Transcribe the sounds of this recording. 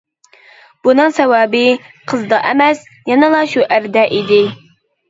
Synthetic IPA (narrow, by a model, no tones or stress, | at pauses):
b̥unɨŋsɛwɑːbɨqʰəzd̪ɑʔɛmɛs | jɑnɨlˠɑʃuʔæɾd̪ɛʔid̪ɪ